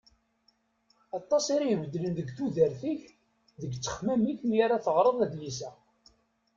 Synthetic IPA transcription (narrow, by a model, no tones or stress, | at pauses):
ɑt̪ˤːɑsiɾajəvəd̪ːlənðəɡθuðəɾθiç | ðəɡt͡sːə̥χmæmiçənjaɾaθəʁɾˤəðˤæd̪lisæ